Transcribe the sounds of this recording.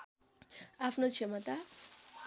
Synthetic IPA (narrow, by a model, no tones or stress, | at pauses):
apʰnot͡sʰemʌt̪a